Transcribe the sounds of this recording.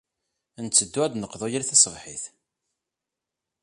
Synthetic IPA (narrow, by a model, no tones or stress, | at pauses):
nt͡sːəd̪ːuʕad̪nəqːðˤojælθɑsˤəvħiθ